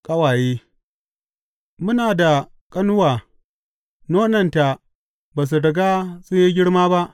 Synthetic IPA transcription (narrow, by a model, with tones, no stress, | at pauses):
kʼɐ˦waː˨jeː˦ | mʊ˦naː˨da˨ | kʼɐ˦nʊ˦waː˨ | noː˦nɐ˨nta˨ | baː˨s̬u˨dɐ˨ɡaː˦sʊ˦ɲji˦ɡʲɪ˦ɽmaː˦ba˦ʔ